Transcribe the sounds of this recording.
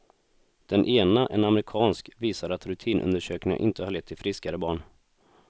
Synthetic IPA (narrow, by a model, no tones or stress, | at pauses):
d̪̥ɛnʔeːnaʔɛnamɾɪkʰɑːnskviːsaɾat̪ɾɵt̪ʰiːnʔɵ̰nd̪əʂøːknɪŋa̰ʔɪnt̪əhaɭɛt̪ʰːɪlfɾɪskaɾəbɑːɳ